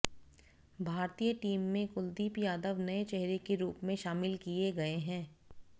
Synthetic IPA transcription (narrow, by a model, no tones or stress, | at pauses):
bʱaːɾt̪ijəʈiːmːẽkʊld̪iːpjaːd̪əʋnɐet͡ʃɛɦɾekeɾuːpmẽʃaːmɪlkieɡɐeɦɛ̃ː